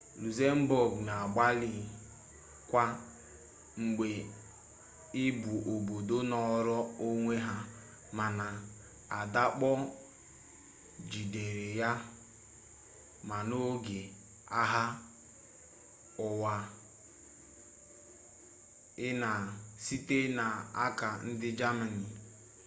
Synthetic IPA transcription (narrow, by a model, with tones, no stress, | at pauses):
lu˨ze˦m̩˦bo˨ɡna˨a˨ɡ͡ba˦li˦˨ | kʷa˦ | ŋ͡m̩˨ɡ͡be˨ | ɪ˦bu˨ʔo˨bo˨do˦nɔ˦ɾɔ˦o˦ŋʷe˦ɦa˦ | ma˨na˨ | a˨da˦k͡pɔ˦ | d͡ʒi˨de˨ɾe˨ja˦ | ma˨no˦ɡe˨ | a˦ɦa˦ | ʊ˨wa˨ | ɪ˦na˨si˦te˦na˨a˦ka˨n̩˦dɪ˦d͡ʒa˦ma˨ni˨